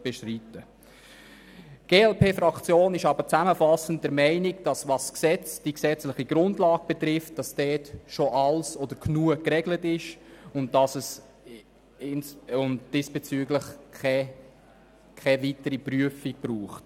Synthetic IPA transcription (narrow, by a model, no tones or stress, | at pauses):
b̥ɛʃtritə | ɡ̥eːɛlpʰeːfɾɑkt͡sjoːnɪʃɑbəɾt͡sæməfɑsən̩t̚d̥ɛɾmɛɪnɪɡd̥ɑsʋɑsksɛt͡sd̥iksɛt͡slɪχiɡɾʊndlɑːɡ̥̚b̥ɛtɾɪft̚d̥ɑsd̥ɛːtʃoʔɑlsɔdəɾkʰnuəkrɛɡlətɪʃʊntdɑsəs | ɪnsʊntd̥ɪsb̥et͡syːɡləχɛ | kʰɛvitəɾipryəfiɡ̚b̥ɾuːχt